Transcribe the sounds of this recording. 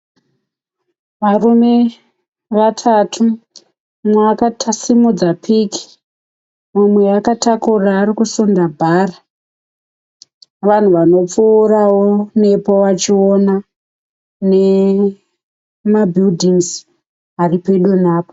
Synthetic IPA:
ʋarume̞ | ʋatʰatʰu | mwakatʰasimud͡zapʰiki̥ | mumwe̞akatakuraːɾikusondabʱaːra | ʋan̤uʋano̞p͡fuːrawone̞powat͡ʃio̞na | ne̞ | mabʱildʱiŋz | aripe̞ɗunaːpo

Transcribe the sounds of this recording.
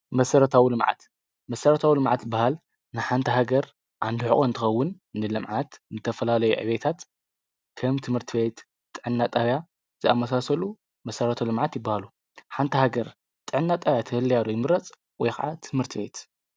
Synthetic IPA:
mɐsɐɾɐt̪ʰawilɨmʕa̰t̪ | mɐsɐɾɐt̪ʰawilɨmʕa̰t̪zɨbːahal | nɨħant̪ʰɐɦaɡɐɾ | ʔa̰nd̪uħɨʔʼont̪ʰɨxɐwːʊnː | ɨlɨmʕat̪zɨt̪ʰɐfɐlalɐjṵʕɨ̰βet̪ʰat̪ | kʰɐmt̪ʰɨmhɨɾt̪ʰɨβet̪ | t̪ʼːɨʕɨnːat̪ʼaβja | zɨamːɐsasɐlu | mɐsɐɾɐt̪ʰɐlɨmʕat̪jɪbːahalu | ħant̪ʰɐhaɡɐɾ | t̪ʼɨʕɨnːat̪ʼaβjat̪ʰɐhɨlːɐjalujɪmɨɾɐt͡sʼ | wɔjxa̰ʕat̪ʰɨmhɨɾt̪ʰɨbet̪

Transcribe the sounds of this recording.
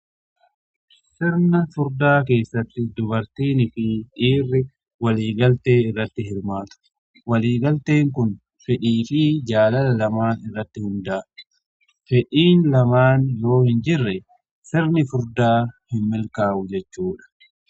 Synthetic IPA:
sɪɾnɐfʊɾd̪aːk̬e̞ːsːɐt̪ːɪd̪ʊβɐɾt̪iːnɪfɪᶑiːrːɪ | wɐliːɡɐlt̪e̞ːɪrːɐt̪ːɪhɪɾmaːt̪ʊ̥ | wɐliːɡɐlt̪e̞ːŋkʊn | fɛᶑiːfɪd͡ʒaːlɐlɐlɐmaːnɪrːɐt̪ːɪhʊnd̪aː | fɛᶑiːnlɐmaːnlo̞ːhɪnd͡ʒɪrːɛ | sɪɾnɪfʊɾd̪aːhɪnmɪlkaːʊd͡ʒɛt͡ʃːuːᶑɐ̥

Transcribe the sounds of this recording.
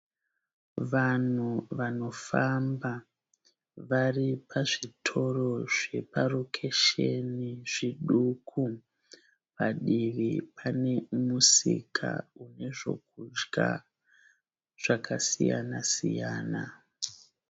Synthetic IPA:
ʋan̤uʋano̞famba | ʋaripʰaʐitʰo̞ro̞ʐe̞parokʰe̞ʃe̞niʐ̥iɗukʰu | paɗiʋipʰane̞musḭkʰa̰une̞ʐo̞̰k̚ud͡ʒɡa̰ | ʐ̥akʰasḭja̰nasḭjaːna̰

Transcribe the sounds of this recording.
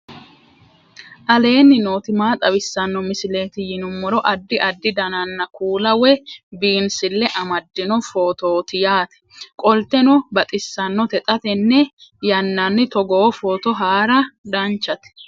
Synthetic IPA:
ʔɐle̞ːnːɪnoːt̪ɪmaːt̪ʼɐβɪsːɐnːɔmɪsɪle̞ːt̪ɪjɪnʊmːɔɾɔʔɐd̪ːɪʔɐd̪ːɪd̪ɐnɐnːɐkuːlɐwɛbiːnsɪlːɛʔɐmɐd̪ːɪnɔfo̞ːt̪oːt̪ɪjaːt̪ɛ̥kʼɔlt̪ɛnɔbɐt̪ʼɪsːɐnːɔt̪ɛt̪ʼɐt̪ɛnːɛjɐnːɐnːɪt̪ɔɡoːfoːt̪ɔɦaːɾɐd̪ɐnt͡ʃːɐt̪ɛ̥

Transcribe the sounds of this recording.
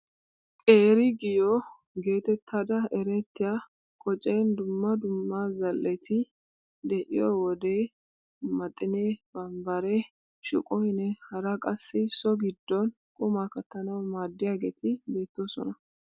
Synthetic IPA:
kʼeːɾɪɡɪjɔ | ɡe̞ːt̪ɛt̪ʰːaːd̪ɐɛɾɛt̪ːɪja | kʼɔt͡ʃʼejnd̪ʊmːɐd̪ʊmːazɐlːɛt̪ʰɪ | d̪ɛʔɪjɔwɔd̪eː | mɐt̪ʼːɪneːb̥ɐmbɐɾɛ | ʃɪ̰kʼɔhɪnɛhɐɾɐkʼɐsːɪsɔɡɪd̪ːɔn | kʼʊmakɐt̪ːɐnɐwmaːd̪ːɪjaːɡeːt̪ʰɪbe̞ːt̪ːoːsɔ̰nɐ

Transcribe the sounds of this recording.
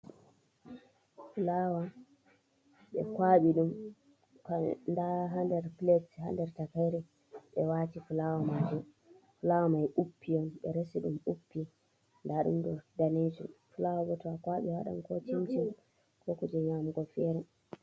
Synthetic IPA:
fulawa | ɓɛkwaɓiɗum | kandaɦandɛɾplɛsha̰ndɛɾtakajɾɛ | ɓɛwatifulawamad͡ʒɔ | fulawamajʔupʰːiɔnɓɛ̰ɾesiɗumupːi | ndaɗṵmdɔdaned͡ʒṵfulawaɡɔtɔakwaɓiwa̰ɗa̰nkɔt͡ʃimt͡ʃɛ | kʰɔkɔd͡ʒɛɲamɡɔfɛɾɛ

